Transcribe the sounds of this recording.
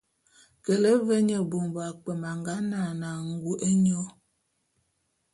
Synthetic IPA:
ke˨le˦ve˦ɲə˨bo˨mba˨k͡pɛ˨ma˨ŋɡa˦na˨na˨ŋ̩˨˦ɡu˦ʔe˦ɲɔ˦

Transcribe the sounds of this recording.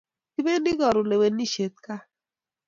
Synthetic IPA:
ti˦be˦ndɪ˦ɡɔ˨ɾʊ˨le˨we˨nːi˦ʃe˨t̪̚ka˦

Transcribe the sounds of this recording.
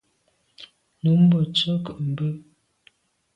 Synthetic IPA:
nu˨˦m̩˦bɔ˨t͡sə˦kə˨ʔm̩˨bə˦

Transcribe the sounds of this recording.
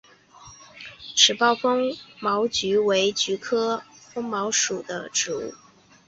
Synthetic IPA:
ʈ͡ʂʰɻ̩˨˩pɑ˥˩ʊfɤ˥ŋmɑ˧˥ʊt͡ɕy˧˥we˧˥ɪt͡ɕy˧˥kʰɤ˥fɤ˥ŋmɑ˧˥ʊʂu˨˩d̪ə˦ʈ͡ʂɻ̩˧˥ṵ˥˩

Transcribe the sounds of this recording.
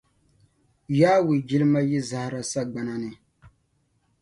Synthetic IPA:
jaː˦wi˨d͡ʒi˦lɨ˦ma˦ji˦za˨hɾa˦sa˦ɡ͡ba˨na˦nɪ˨

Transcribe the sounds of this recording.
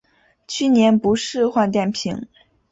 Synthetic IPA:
t͡ɕʰy˥˩njɛ˧˥npu˧˥ʂɻ̩˥˧xwa˥˧nt̪jɛ˥˩npʰi˧˥ŋ

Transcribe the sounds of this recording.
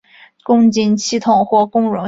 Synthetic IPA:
kʊ˥ŋt͡ɕi˥nɕi˥t̪ʰʊ˨˩ŋxwɔ˥˩kʊ˥ŋɻʊ˧˥

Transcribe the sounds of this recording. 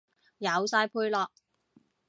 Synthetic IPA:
jɐ˨˧wsaː˧jpʰuː˧jlɔː˧k̚

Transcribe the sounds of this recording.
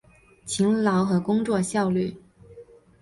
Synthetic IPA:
t͡ɕʰi˧˥ŋlɑ˧˥ʊxɤ˧˥kʊ˥ŋt͡swɔ˥˧ɕjɑ˥˧ʊly˥˩

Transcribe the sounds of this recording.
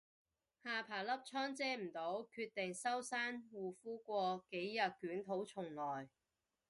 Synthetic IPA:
haː˨pʰaː˨˩lɐ˥p̚t͡ʃʰɔː˥ŋt͡sɛː˥m̩˨˩t̪o˨˥wkʰyː˧t̚t̪ɪ˨ŋsɐ˥wsaː˥nwuː˨˩fuː˥kʷɔː˧ke˨˥jːɐ˨t̚kyː˨˥nt̪ʰo˨˥wt͡sʰʊ˨˩ŋlɔː˨˩j

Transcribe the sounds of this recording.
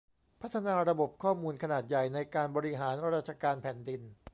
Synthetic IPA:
pʰa˦˥t̪ʰːa˧naː˧ɾa˧bo˨˩p̚kʰɔː˥˩muː˧nkʰa˧naː˨˩t̪̚ja˨˩jna˧jkaː˧nbɔː˧ɾi˦˥ɦaː˩˦nɾɾaː˥˩t̪̚t͡ɕʰa˧kaː˧npʰɛː˨˩˦ndi˧n

